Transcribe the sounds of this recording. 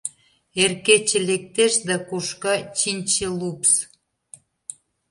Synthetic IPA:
erket͡ɕĕlek̚t̪eʃd̪ɑkuʃkɑt͡ɕinʲt͡ɕelups

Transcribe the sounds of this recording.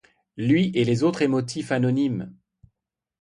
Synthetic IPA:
lɥiʔelezot̪χemɔt̪ʰifanɔnim

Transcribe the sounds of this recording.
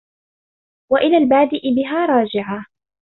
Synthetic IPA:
waʔɪlaːlbaːd̪ɪʔɪbɪɦaːɾˤɑːd͡ʒɪʕa

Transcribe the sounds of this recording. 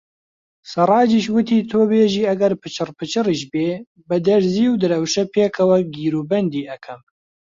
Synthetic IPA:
sɨrˤɑːd͡ʒiːʃwɨt̪ʰiːt̪ʰoːbeːʒiːɐɡɛɾpʰɨt͡ʃʰɨrpʰɨt͡ʃʰɨriʃbeː | bɨd̪ɛɾziːwd̪ɨɾɐwʃɛpʰeːkʰɐwɛɡiːɾuːbɛnd̪iːɛkʰɐm

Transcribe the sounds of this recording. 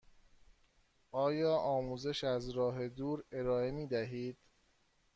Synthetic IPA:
ʔɒːjɒːʔɒːmuːze̞ʃæzɾɒːɦe̞d̪uːɾe̞ɾɒːe̞miːd̪æɦiːd̪̥

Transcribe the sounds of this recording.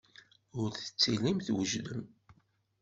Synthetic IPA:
ʊɾθə̥t͡sːilimθwəʒðəm

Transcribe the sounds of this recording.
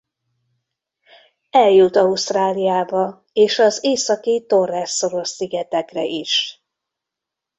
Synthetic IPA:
ɛljut̪ɒust̪raːlijaːbɒ | eːʃɒzeːsɒkit̪o̞rːɛsːo̞ɾo̞ʃsiɡɛt̪ɛkrɛʔiʃ

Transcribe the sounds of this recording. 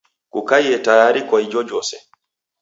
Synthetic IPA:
kukajɛtajaːɾikɔjd͡ʒɔd͡ʒɔːsɛ

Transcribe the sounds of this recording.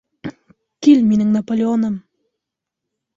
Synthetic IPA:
tʲilʲmenɪŋnapolʲeonəm

